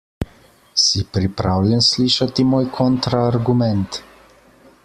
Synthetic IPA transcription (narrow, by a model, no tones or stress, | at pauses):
sipɾipɾaːwljɛnsliːʃat̪imoːjkʰɔnt̪ɾaːɾɡumɛnt̪